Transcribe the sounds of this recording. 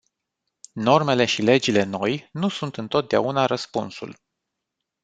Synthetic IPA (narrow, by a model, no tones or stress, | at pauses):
no̞rme̞le̞ʃile̞d͡ʒile̞no̞jnusunt̪ɨnt̪o̞t̪̚d̪ea̰unaɾəspunsṵl